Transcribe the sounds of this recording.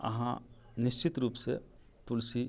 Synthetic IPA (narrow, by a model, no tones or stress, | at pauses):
ɐ̰ɦã̰ | nɪʃt͡ʃɪt̪ɾuːpsḛ | pʊlsi